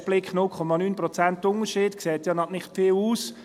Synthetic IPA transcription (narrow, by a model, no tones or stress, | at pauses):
b̥lɪkχnʊlkʰɔmɑnyːnpɾɔt͡sæntːʊnəʃiːd̥kseːtjɑnɑnɪχtfɪːluːs